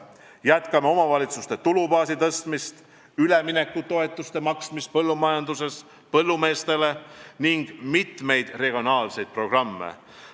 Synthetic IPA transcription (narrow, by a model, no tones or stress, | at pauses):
jæt̪kɑmeo̞mɑvɑlit̪sust̪e̞t̪ulubɑːsit̪ɤst̪mist̪ | ylemine̞kːut̪o̞e̞t̪ːˑust̪e̞mɑksmist̪̚pɤlːumɑjɑnd̪use̞s | pɤlːume̞ːst̪e̞le̞niŋɡ̥mit̪me̞jd̪̥re̞ɡ̥io̞nɑːlse̞jd̪̥̚pro̞ɡ̥rɑmːḛ